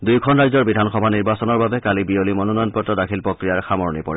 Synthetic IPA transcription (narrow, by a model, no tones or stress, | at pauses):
dujkʰɔnɹajzɔɹbidʱanxɔbʱaniɹbasɔnɔɹbabɛkalibiolimɔnɔnɔjɔnpɔtːɔdakʰilpokɹijaɹxamɔɹnipɔɹɛ